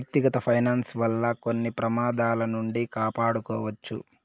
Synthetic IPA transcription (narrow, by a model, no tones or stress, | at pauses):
k̚t̪iɡɐt̪ɐpʰɐjnaːnsʋɐlːɐko̞nːipɾɐmaːd̪aːlɐnuɳɖikaːpaːɽukɔ̰ːʋɐt͡ʃːṵ